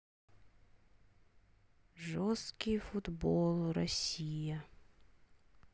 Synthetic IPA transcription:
ʐɔst̪kɪjfʊd̪bɔlˠrɔsʲijɐ

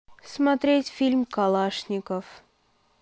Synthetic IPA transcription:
smɐt̪ɾʲetʲfʲilʲmkalˠaʂnʲɪkəf

